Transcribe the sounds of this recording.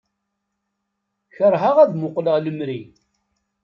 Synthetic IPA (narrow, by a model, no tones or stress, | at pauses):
çəɾˤɦaʁæðmʊqləʁləmɾi